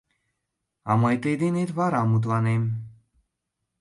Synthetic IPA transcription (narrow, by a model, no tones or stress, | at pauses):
amɔjt̪ed̪init̪vaɾamut̪wanem